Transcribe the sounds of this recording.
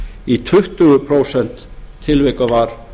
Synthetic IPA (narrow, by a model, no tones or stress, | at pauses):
it̪ʰʏht̪ʏɣʏpʰɾoːwsɛn̥t̪ʰːɪlvɛkavaɾ̥